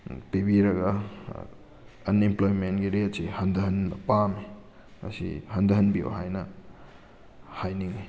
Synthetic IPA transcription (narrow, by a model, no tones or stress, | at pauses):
pibiɾɐɡɐ | nimplojmentɡiɾetsihɐndɐɦɐnpami | ɐ̰sḭhɐndɐɦɐnbio̰ɦajnɐ | hajniŋi